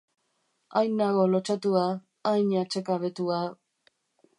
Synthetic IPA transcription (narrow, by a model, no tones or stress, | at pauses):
ajnaɣo̞lot͡ʃat̪uaː | jɲat͡ʃekaβet̪ua